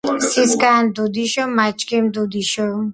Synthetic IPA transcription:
siskand̪ud̪iʃomat͡ʃkimd̪ud̪iʃo

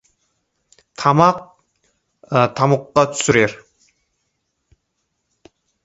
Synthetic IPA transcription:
t̪ʰɑmɑq̚ | t̪ʰɑmʊqːɑt̪ʰy̥syɾeɾ

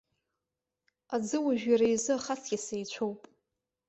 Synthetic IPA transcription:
ad͡zɨwaʒᶣaɾajzɨaχat͡sʰɡʲɪsejt͡ʃʷʰowpʼ

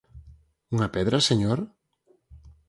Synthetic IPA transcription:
uŋɐpɛðɾaseɲoɾ

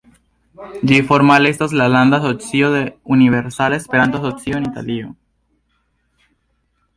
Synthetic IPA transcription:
d͡ʒifoɾmalest̪oslaland̪asotsioðeuniβeɾsalespeɾant̪osotsioenit̪a̰lio

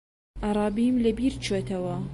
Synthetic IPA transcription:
ʔɑɾˤɑːbimlɐbiːɾt͡ʃʰot̪ɐwɐ

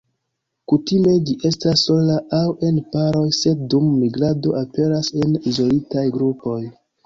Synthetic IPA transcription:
kutime̞d͡ʒiʔe̞stasːo̞laawe̞npaɾo̞jse̞d̚dumːiɡɾado̞ʔape̞ɾase̞nizolitajɡɾupo̞j

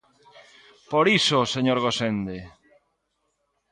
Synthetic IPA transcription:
poɾisoseɲoɾɣosend̪e

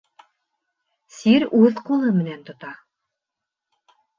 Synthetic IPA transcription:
siɾʉðqulˠɤmɘ̆nænt̪ŏt̪ɑ

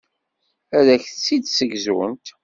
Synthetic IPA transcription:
æɾæçθt͡sːid̪səɡzuə̰nt̪

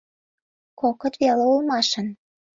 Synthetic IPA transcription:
kokɤ̆t̪βeleulmɑʃə̆n

